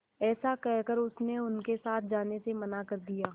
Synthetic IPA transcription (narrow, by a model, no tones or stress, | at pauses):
ɛːsakɛɦkəɾʊsneʊnkesaːt̪ʰd͡ʒaːnesemɐnakɐɾd̪ijaː